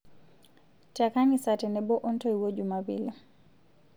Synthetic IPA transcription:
takaŋisatɛnɛbɔʔɔntɔiwod͡ʒumabḭla

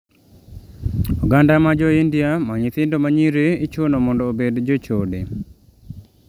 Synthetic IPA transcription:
uɡandamad͡ʒoindijamaɲit̪ɪndomaɲiɾeit͡ʃonomɔndoːbedd͡ʒot͡ʃode

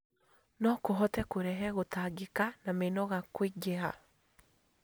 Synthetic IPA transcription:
nɔkoɦɔtɛkoɾɛɦɛɣotaɡekanamenɔɣakweɡeɦa̰

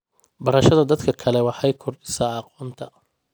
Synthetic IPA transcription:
bɐɾɐʃɐðɐd̪ɐd̪kʰɐkʰɐlɛwɑħɑjkʰɔrdɪ̥sɐːqɔːnt̪ʰɐ

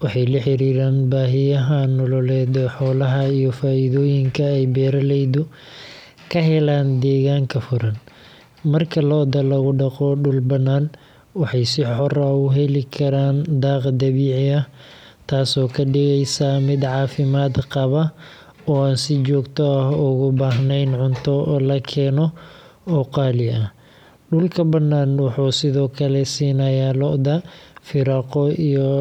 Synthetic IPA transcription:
wɑħɑjlɐħɪɾiːɾaːnbaːɦɪjɐɦɐnːɔlɔlɛːðɔħɔːlɐɦɐijɔfaːɪðɔːjɪŋkʰɐɛjbɛːɾɐlɛjðʊ | kʰɐɦɛlaːnd̪ɛːɣaːŋkʰɐfʊɾɐn | mɐrkʰɐlɔːd̪ɐlɐɣʊɖɐqɔːɖʊlbɐnaːn | wɑħɑjsɪħɔraʊɦɛlɪkʰɐɾaːnd̪aːqd̪ɐβiːʕɪɐ | t̪ʰaːsɔːkʰɐɖɪɣɛjsaːmɪd̪ʕɑːfɪmaːd̪qɑβɐ | ɔːaːnsɪt͡ʃɔːɡt̪ʰɔɐhʊɣʊbaːɦnɛjnʕʊnt̪ʰɔɔːlɐkʰɛːnɔ | ɔqɑːlɪɐ | ɖʊlkʰɐbɐnːaːnwɑħuːsɪðɔːkʰɐlɛsiːnɐjaːlɔʔd̪ɐfɪɾɑqɔijɔ

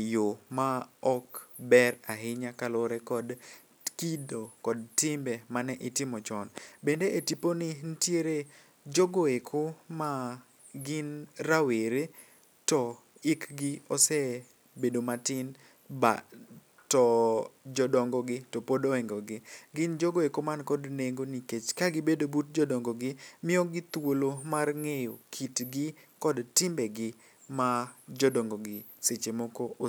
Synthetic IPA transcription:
jʊmaɔkbɛɾaɦɪɲakalʊɾɛkɔd | kidokɔdtɪmbɛmanɛʔɪtɪmɔt͡ʃɔnbendeetiponɪn̩tjeɾe | d͡ʒoɡoekʰoma | ɡɪnɾaweɾe | tɔ | ɪkɡɪɔsɛ | bedomatɪn | ba | tɔd͡ʒɔdɔŋɡɔɡɪtɔpodoɛŋɡɔɡɪɡɪnd͡ʒoɡoekɔmankɔdneŋɡoniket͡ʃkaɡɪbedobut̚d͡ʒɔdɔŋɡɔɡɪmɪɔɡɪt̪wolomarŋejokʰitɡɪ | kɔdtɪmbɛɡɪ | mad͡ʒɔdɔŋɡɔɡɪ | set͡ʃemɔkɔʔo

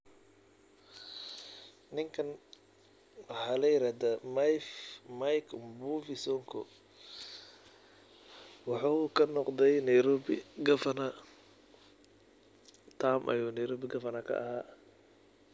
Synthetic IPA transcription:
nɪŋkʰɐn | wɑħɑːlɛjɪɾaːd̪amajfmajkʰmbuːvɪsɔːŋkʰɔ | wɑħɑkʰɐnɔqd̪ɛjnɐjɾɔːbɪɡɐfɐna | t̪ʰaːmʔɐ̰juːnɐjɾɔːbɪɡɐfɐnɐkʰɐ̰ʔɐ̰ɦaː

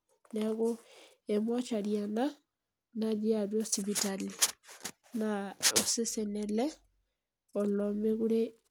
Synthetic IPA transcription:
nɛɣo | emwat͡ʃaɾjana | naðiaβɔsiβitali | naosesɛnɛlɛ | olɔmeɣuɾe

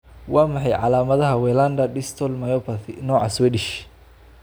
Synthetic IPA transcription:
wɑːmɑħɑjʕɑ̰laːmɐðɐɦɐwɛːland̪ɐɖ̪ɪst̪ʰɔlmɐjɔpʰɐθɪnɔːʕɑ̰swɛd̪ɪʃ

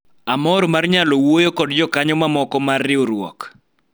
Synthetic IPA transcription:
amɔɾmarɲalɔwojokɔdd͡ʒɔkaɲɔmamɔkɔmarːɪoɾwɔ̰k

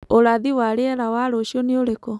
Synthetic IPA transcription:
oɾaðiwaɾeɛɾawaɾoʃiɔneoɾekɔ

